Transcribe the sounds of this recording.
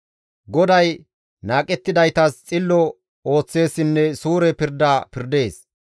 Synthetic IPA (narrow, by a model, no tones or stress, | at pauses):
ɡɔd̪ɐj | naːkʼɛt̪ːɪd̪ɐjt̪ɐst͡sʼɪlːɔ | o̞ːt͡sːe̞ːsːɪnːɛsuːɾɛpɪɾd̪aːpɪɾd̪e̞ːs